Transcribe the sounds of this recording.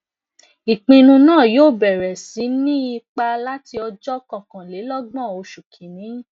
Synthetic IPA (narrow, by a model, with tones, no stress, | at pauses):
i˨k͡pĩ˧nũ˧nãː˦˨joː˦˨bɛ˨ɾɛ˨sĩ˨˦nĩ˦i˧k͡pa˧la˦ti˧ɔ˧d͡ʒɔ˦kɔ̃˨kã˨le˨˦lɔ˦ɡ͡bã˦˨o˧ʃu˨kʰĩ˨nĩ˨˦